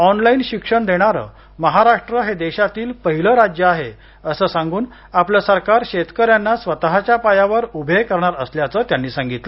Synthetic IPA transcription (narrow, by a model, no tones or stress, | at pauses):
ɔnlainɕikʂəɳd̪eɽ̃aɾə̰ː | məɦaɾaʂʈɾəɦed̪eɕat̪iːlpəɦiləɾad͡ʑjəaɦe | əsəːsãŋɡuːn | apləsəɾkaɾɕet̪kəɾjanːasʋət̪aɦat͡ɕjapajaʋəɾubʱekəɾɳaɾəsljat͡səːt̪janːiːsãŋɡit̪lə